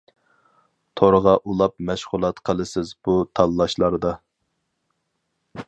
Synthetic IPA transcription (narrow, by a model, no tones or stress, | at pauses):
t̪ʰoɾəʁɑʔulˠɑp̚mɛʃʁʊlˠɑt̪qʰəlˠɨsɪzbut̪ʰɑlˠːɑʃlˠɑɾd̪ɑ